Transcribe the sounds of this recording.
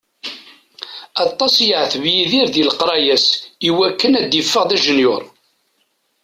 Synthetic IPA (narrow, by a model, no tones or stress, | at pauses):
ɑt̪ˤːɑsjəʕθəvjiðiɾðilqɾˤɑjæsiwækːənæd̪jəfːəʁðæʒənjʊɾˤ